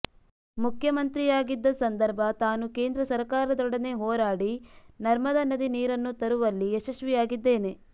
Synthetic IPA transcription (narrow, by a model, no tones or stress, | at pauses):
mukʰjɐmɐnt̪ɾijaːɡid̪ːɐsɐnd̪ɐɾbʱɐt̪aːnuke̞ːnd̪ɾɐsɐɾkaːɾɐd̪ɔɽɐne̞ɦɔːɾaːɽinɐɾmɐd̪ɐnɐd̪iniːɾɐnːut̪ɐɾuʋɐlːieʃɐʃʋijaːɡid̪ːe̞ːne̞